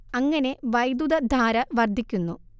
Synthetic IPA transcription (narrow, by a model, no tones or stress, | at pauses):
ɐŋːɐne̞ʋɐjd̪ud̪ɐd̪ʱaːɾɐʋɐrd̪ʱikʲːunːu